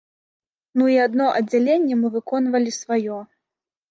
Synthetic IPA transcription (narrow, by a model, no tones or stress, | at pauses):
nuiad̪nɔʔɐd͡zʲːalʲenʲːɛmɨvɨkɔnvɐlʲisvajɔ